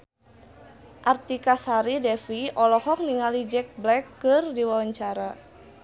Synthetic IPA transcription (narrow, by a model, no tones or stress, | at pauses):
ʔart̪ikasaɾidɛfiɔlɔhɔk̚niŋalid͡ʒɛk̚blɛkːɨrdiwawaɲt͡ʃaɾa